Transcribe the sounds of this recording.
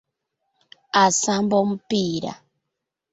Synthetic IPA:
asambɔm̩piɾa̰

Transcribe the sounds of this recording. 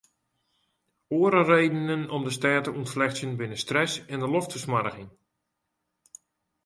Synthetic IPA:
oəɾərejdənənɔmdəstɛːtəʔunflɛxt͡sjənbɪnəstrɛsɛndəlɔftfəsmaɾəɣɪŋ

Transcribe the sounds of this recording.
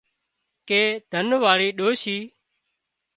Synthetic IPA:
keːd̪ʱənʋaːɭiːɗoːʃiː

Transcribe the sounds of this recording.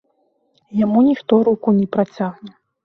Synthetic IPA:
jamunʲixt̪ɔɾukunʲɛpɾat͡sʲaɣnʲɛ

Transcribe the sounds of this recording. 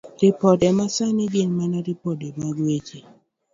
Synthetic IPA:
ɾɪpɔdɛmasanɪɡɪnmanaɾipɔdemaɡwet͡ʃe

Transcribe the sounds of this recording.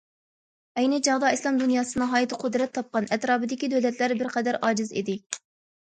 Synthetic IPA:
ɛjnɪd͡ʒɑʁd̪ɑislˠɑmd̪unjɑːsɨnɨɦɑːjit̪ʰɨqʰʊd̪ɾɛt̪ʰːɑp̚qɑnɛt̪ɾɑːbɨd̪ɪkʲid̪øwlɛt̪ʰlæɾbɪɾqʰɛd̪æɾɑːd͡ʒɪzḭd̪ɪ

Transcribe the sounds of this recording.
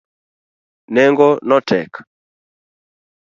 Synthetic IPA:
nɛŋɡɔnɔtɛ̰k

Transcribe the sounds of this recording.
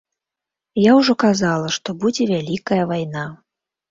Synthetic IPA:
jawʐɔkazalˠɐʂt̪ɔbud͡zʲɛvʲalʲikɐjɐvajna

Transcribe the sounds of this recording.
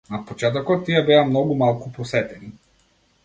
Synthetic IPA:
napot͡ʃɛt̪̬ɔkɔt̪ːiɛbɛamnɔɡumalˠkupɔsɛt̪ɛni

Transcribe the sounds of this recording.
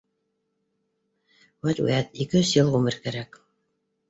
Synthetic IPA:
wæt̪ʲwɘ̰æt̪ikɘjɵsjɤlˠʁumɘ̆ɾkæɾæk

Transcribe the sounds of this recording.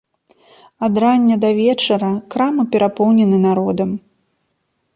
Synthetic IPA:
ad̪ɾanʲːɐd̪ɐvʲɛt͡ʂɐɾɐkɾamɨpʲɛɾapɔwnʲɛnɨnaɾɔd̪ɐm

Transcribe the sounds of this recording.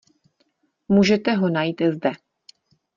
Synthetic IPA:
muːʒɛt̪ɛɦonajiːt̪zdɛ

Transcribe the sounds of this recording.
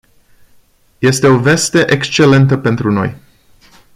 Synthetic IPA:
je̞st̪e̞o̞ve̞st̪e̞ʔekst͡ʃe̞le̞nt̪əpe̞nt̪ɾuno̞̰j

